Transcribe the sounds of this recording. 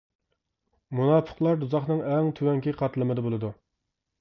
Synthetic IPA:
munɑːpʰə̥qlˠɑɾd̪uzɑχnɨŋɛŋt̪ʰywɛŋkʲʰiqʰɑt̪lˠɨmɨd̪ɨbolˠɨd̪u

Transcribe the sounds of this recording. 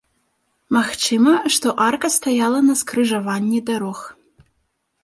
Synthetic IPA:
maxt͡ʂɨmɐʂt̪ɔʔarkɐst̪ajalˠɐnɐskrɨʐavanʲːɛd̪aɾɔx

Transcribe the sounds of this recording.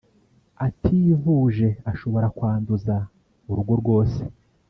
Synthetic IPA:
atʰiːvuːʒe̞aʃo̞βo̞ɾakwaːnduza | uɾuɾɡo̞ɾɡwo̞ːse

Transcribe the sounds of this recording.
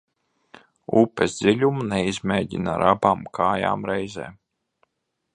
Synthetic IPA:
ṵpɛzd̪zilʲumnɛizmeːɟḭna̰ɾabaːmkʰaːja̰ːmɾɛjzɛ̰ː

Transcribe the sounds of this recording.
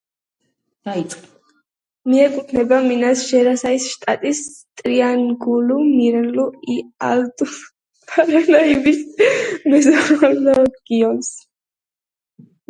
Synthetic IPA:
d̪̥ait̪sʼqʼ | miɛkʼupʰnɛbaminasʒ̥ɛɾasaisʃt̪ʼat̪ʼis | t̪ʼɾianɡulumiɾnluialt̪ʼu | pʰaɾanaibismɛzaɾaɾnaɡ̥iɔns

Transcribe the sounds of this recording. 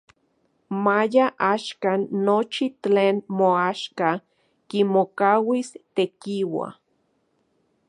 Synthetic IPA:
majaʔaʃkanːot͡ʃiteːnmoaʃka | kimokawist̪ekiwa̰

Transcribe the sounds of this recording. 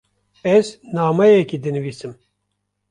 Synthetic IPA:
ɛznaːmɛjɛkid̪ɨnɨviːsɨm

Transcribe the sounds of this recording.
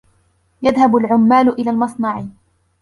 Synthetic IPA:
jaðhabʊlʕʊmːaːlʊʔɪlaːlmɑsˤnɑʕ

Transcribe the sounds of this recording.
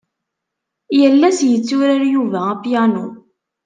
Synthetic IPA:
jəlːæsjət͡sːʊɾaɾjuvææpjænṵ

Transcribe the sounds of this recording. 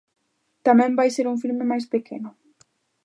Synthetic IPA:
t̪amɛ̃mbajseɾuŋfilmemajspekʰenʊ

